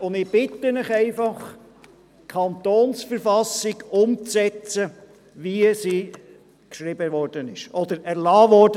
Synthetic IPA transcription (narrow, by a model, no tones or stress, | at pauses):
ʊnd̪ɪb̥ɪt̪ənɪχɛɪfɑχ | kʰɑnt̪oːnsfəɾfɑsɪɡʊmt͡sɛt͡sə | ʋiəsiː | kʃɾɪbəʋɔɾd̥ənɪʃɔd̪əɾæɾlɑːʋɔɾd̥ə